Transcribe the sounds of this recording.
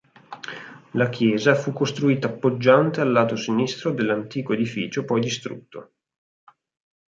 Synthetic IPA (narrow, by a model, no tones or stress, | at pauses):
lakjɛːzafukːost̪ɾuiːt̪aːpːod͡ʒːant̪ealːaːt̪osinist̪ɾod̪elːant̪iːkoed̪ifḭːt͡ʃopɔjd̪ist̪ɾṵt̪ːo̰